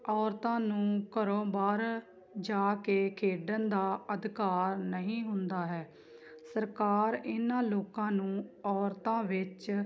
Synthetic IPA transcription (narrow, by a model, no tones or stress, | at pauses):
ɔːɾt̪ãːnũːkəɾõːbaːɾ | d͡ʒaːkeːkʰeːɖənd̪aːəd̪ɪkaːɾnəɦĩːɦʊnd̪aːɦɛː | səɾkaːɾɪnãːloːkãːnũːɔːɾt̪ãːʋɪt͡ʃ